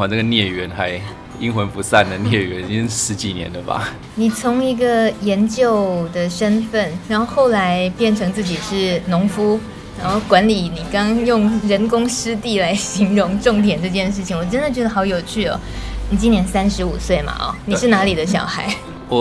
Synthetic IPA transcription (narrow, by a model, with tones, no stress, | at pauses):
a˨˦nə˥˩ɡə˩njɛ˥˩ɥɛ˧˥nxa˧˥ɪ | i˦˥ŋxwə˧˦npu˧˥sa˥˩nd̪ə˩njɛ˥˩ɥɛ̰˧˦n̩˧˥ʂɻ̩˧˥t͡ɕi˨˩njɛ̰˧˦nd̪ə˧˩ba̰˨ | ni˨˩t͡sʰʊ˧˥ŋi˧˥ɡə˧jɛ˧˥nt͡ɕjo˥˩ʊd̪ə˨ʂə˥nfə˥˩nɻa˧˦xo˥˧ʊxo˥˩ʊla˧˥ɪpjɛ˥˩nʈ͡ʂʰɤ˧˥ŋt͡sɹ̩˥˩t͡ɕi˨˩ʂɻ̩˥˩nʊ˧˥ŋfu˥ | ɻa˧˦˥xo˥˩ʊkwa˧˥nli˨˩ni˨˩kɑ˥ŋjʊ˥˩ŋɻə˧˥nkʊ˥ŋʂɻ̩˥t̪i˥˩la˧˥ɪɕi˧˥ŋɻʊ˧˥ŋʈ͡ʂʊ˥˩ŋt̪̬jɛ˨˩nʈ͡ʂɤ˥˧t͡ɕjɛ˥˧nʂ̬ɻ̩˥˩t͡ɕʰi˨˩ŋwɔ˨˩ʈ͡ʂə˥nd̪ə˨˩t͡ɕjwd̪ə˧˩xɑ˧˥ʊjo˨˩ʊt͡ɕʰy˥˩ɔ̰˩ni˨˩t͡ɕi˥njɛ˧˥nsa˥nʂɻ̩˧˥u˨˩swe˥˩ɪma̰˩ʔɔ̰˧˦ni˨˩ʂɻ̩˥˩na˧˥li˨˩d̪ə˦ɕjɑ̰˨˩ʊxa˧˥ɪ˥˩